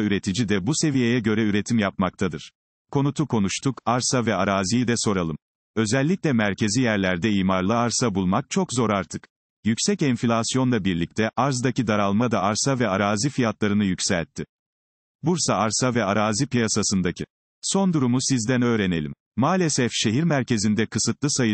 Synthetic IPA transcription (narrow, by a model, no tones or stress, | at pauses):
yɾe̞t̪ʰid͡ʒid̪ɛbuse̞vije̞jɛɟø̞ɾɛyɾe̞t̪ʰimjap̚makt̪ʰad̪ɯɾ̥ | kʰo̞nut̪ʰukʰo̞nuʃt̪ʰukaɾsavɛaɾaːzijid̪ɛso̞ɾalˠɯm | ø̞zɛlʲːicʲlʲɛmæɾcʰe̞zijæɾlʲæɾd̪ɛiːmaɾlˠaaɾsabulˠmak̚t͡ʃʰo̞kzo̞ɾaɾt̪ʰɯk | jycsɛcɛnfilʲasijo̞nlˠabiɾlʲic̚t̪ʰɛʔaɾzd̪acid̪aɾalˠmad̪aaɾsavɛaɾaːzifijat̪lˠaɾɯnɯjycʲsæ̰lʲt̪ʰːɪ | buɾsaaɾsavɛaɾaːzipijasasɯnd̪acʰi | so̞nd̪uɾumusizd̪ænø̞ːɾene̞lʲḭm | maːlʲesɛfʃe̞ɦiɾmæɾce̞zind̪ɛkʰɯsɯt̪lˠɯsajɯ